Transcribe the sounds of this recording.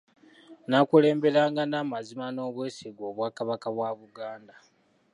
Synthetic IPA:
nakule̞ːmbe̞ɾaːŋɡanaːmazimano̞ːβwe̞ːsiɡwo̞ːβwaːkaβakaβwaβuɡaːnda

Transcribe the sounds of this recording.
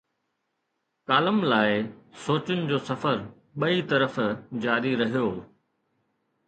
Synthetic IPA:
kaːləmlaːɪsoːt͡ɕʊnɪ̆d͡ʑoːsɐfəɾ | ɓɐit̪ɐɾəfd͡ʑaːɾiɾɐɦijoː

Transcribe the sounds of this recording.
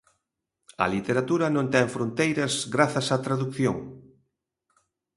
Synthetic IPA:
ɐ̰lit̪eɾat̪uɾɐnõnt̪ɛŋfɾont̪ejɾɐzɡɾaθɐsat̪ɾaðukθjo̰ŋ

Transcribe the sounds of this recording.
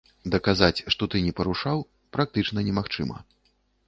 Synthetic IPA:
d̪ɐkazat͡sʲʂt̪ɔt̪ɨnʲɛpɐɾuʂaw | pɾak̚t̪ɨt͡ʂnɐnʲɛmaxt͡ʂɨ̰mɐ̰

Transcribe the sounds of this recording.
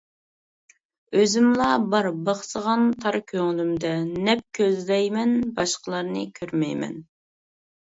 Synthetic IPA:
øzymlˠɑbɑɾbɑχsəʁɑnt̪ʰɑɾkʲʰøŋɪlymd̪ɛnɛp̚kʲʰøzd̪ɛjmɛnbɑʃqəlˠɑɾnɨkʲʰøɾmɛjmɛ̰n

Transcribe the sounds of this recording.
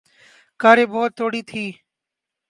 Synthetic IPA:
kaːɾeːbɔːt̪ʰːoːɽiːt̪ʰiː

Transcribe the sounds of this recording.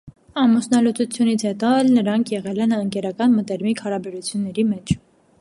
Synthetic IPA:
ɑmusnɑlut͡sut͡sʰjunit͡sʰhɛt̪ɔɛlnəɾɑŋkʰjɛʁɛlɛnəŋkɛɾɑkɑnmət̪ɛɾmikhɑɾɑbɛɾut͡sʰjunːɛɾimɛt͡ʃʰ

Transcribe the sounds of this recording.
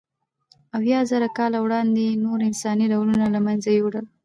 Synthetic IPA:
awjɑzaɾakɑlawɽɑnd̪enoɾɪnsɑniɖawlunalamanzajoɽəl

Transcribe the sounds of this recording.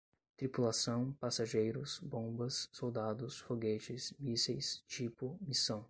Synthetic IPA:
t̪ɾipulasɐ̃w̃pasaʒejɾʊsbõbɐsːowd̪ad̪ʊsfoɡet͡ʃɪsmisejst͡ʃipʊmisɐ̃w̃

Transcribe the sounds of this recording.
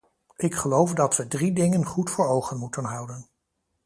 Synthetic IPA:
ɪkχəlowfdɑtʋədridɪŋənχutfʊːɹowχənmutənɦʌwdən

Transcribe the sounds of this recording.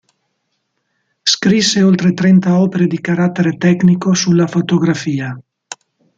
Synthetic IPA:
skɾisːeolt̪ɾet̪ɾɛnt̪aɔːpeɾed̪ikaɾat̪ːeɾet̪ɛknikosulːafot̪oɡɾafiːa

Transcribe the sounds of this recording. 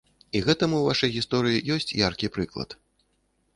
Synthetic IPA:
iɣɛt̪ɐmuwvaʂɐjɣʲist̪ɔɾɨjijɔsʲt͡sʲjarkʲipɾɨklˠɐ̰t̪

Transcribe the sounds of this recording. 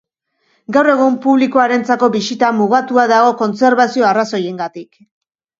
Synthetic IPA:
ɡawre̞ɣ̞umpuβlikoaɾe̞nt͡sako̞βisit̪amuɣat̪uaðaɣo̞ko̞nt͡se̞ɾβasio̞araso̞je̞ŋɡat̪ik

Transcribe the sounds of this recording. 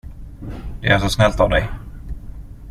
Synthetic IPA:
d̪ɛæʂɔsnɛlt̪avd̪ɛj

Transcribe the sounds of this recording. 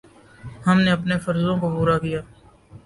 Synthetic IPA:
hɐmneɐpnefɐɾzõkopuːɾakijaː

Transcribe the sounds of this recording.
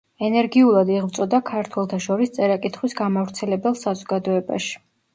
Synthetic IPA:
ɛnɛɾɡiulˠad̪iʁvt̪sʼɔd̪akʰaɾt̪ʰwɛlˠt̪ʰaʃɔɾist̪sʼɛɾakʼit̪ʰχwisɡamavɾt̪sʰɛlɛbɛlˠsazɔɡad̪ɔɛba̰ʃi̥

